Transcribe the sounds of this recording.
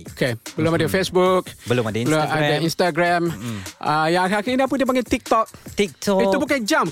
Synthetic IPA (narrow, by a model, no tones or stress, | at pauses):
okebəlumadifesbuk̚bəlumadəluaəĩnst̪aɡɹãmajakakiiniap̬ũndiəp̬ãŋɡɛt̪ik̚t̪ɔk̚t̪ik̚tɔiubukand͡ʒãm